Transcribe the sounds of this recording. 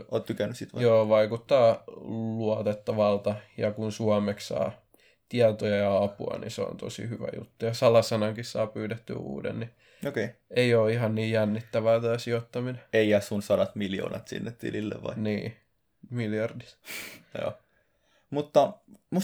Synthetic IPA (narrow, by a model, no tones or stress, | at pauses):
o̰ːt̪t̪ykænːyssit̪ʋjoːʋɑikut̪ːɑːluɑt̪et̪ːɑʋɑlt̪ɑjɑkunsuɑmekssɑ̰ː | t̪iɑt̪ojɑjɑɑpuɑ̰nḭseo̰nt̪o̰sḭhyʋæ̰jṵt̪ːujɑsɑlɑsɑnɑŋkissɑ̰ːpyːt̪et̪ːy̰ṵːdḛnni | okeieioːihɑnniːjænːit̪ːæʋæːt̪æːsiot̪ːɑmineeiæssunsɑdɑt̪miljo̰ːnɑt̪sḭnːet̪t̪ḭlilːḛʋʋɑ̰iniː | miljɑrdit̪jo̰ː | mut̪ːɑmu